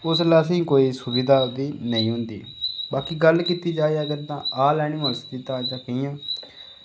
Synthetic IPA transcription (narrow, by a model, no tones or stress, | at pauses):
ʊslaːsĩːkoːiːsʊbiːd̪aːd̪iːnəĩːɦʊ̃nd̪ḭːbaːkiːɡəlkiːt̪iːd͡ʒaːiəɡəɾt̪ãːaːlɛːɽ̃ĩːmə̃st̪iːt̪ãːd͡ʒaːkɪĩːãː